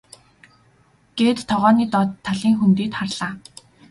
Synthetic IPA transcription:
ɡ̥eːt̪ʰːɔʁœːniːt̪ɔt̪ʰːaɮiːŋxunt̪iːt̪χarɮ̥aː

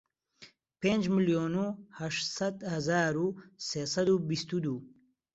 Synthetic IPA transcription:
pend͡ʒmiljonuhaʂsɐd̪hɐzɑːɾusesɐd̪ubist̪ud̪u

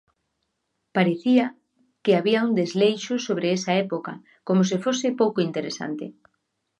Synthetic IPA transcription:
paɾeθia | keaβiaund̪ezlejʃosoβɾeesaɛpoka̰ | komos̬efosɪpowkoint̪eɾesa̰nt̪e

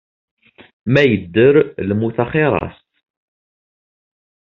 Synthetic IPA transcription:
mæjəd̪ːəɾləmuθɑχɪɾˤɑ̰st̪

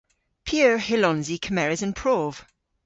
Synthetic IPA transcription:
pʰiəɹhɪlɔ̃nzikʰəmɛɹɪzə̃npʰɹ̥ɔːv̥

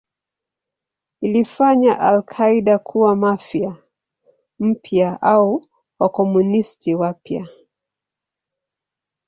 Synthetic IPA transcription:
ilifaɲaʔalkʰaiɗakʰuwamafija | m̩pʰjaʔau | wakɔmunistiwapja̰

